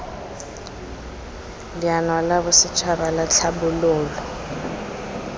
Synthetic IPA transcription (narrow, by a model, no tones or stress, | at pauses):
lianwalaβʊsɪt͡ʃʰwaβalat͡ɬʰabʊlʊːlɔ